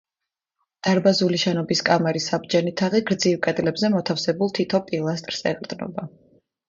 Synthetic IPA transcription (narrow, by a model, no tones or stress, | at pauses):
d̪̥aɾbazuliʃɛnɔbiskʼamɛɾisab̚d͡ʒɛnit̪ʰaʁiɡɾd̪zivkʼɛd̪lɛbzɛmɔt̪ʰafsɛbulˠt̪ʰit̪ʰɔpʼilˠast̪ʼɾsɛ̰qʼɾd̪nɔ̰ba